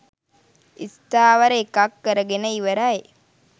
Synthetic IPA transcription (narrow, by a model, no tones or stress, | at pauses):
ist̪aːʋəɾəekakːəɾəɡenəiʋəɾae